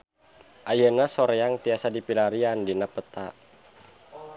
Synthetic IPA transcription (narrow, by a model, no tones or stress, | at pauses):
ʔajənasɔɾɛaŋt̪iasadipilaɾiandinapət̪a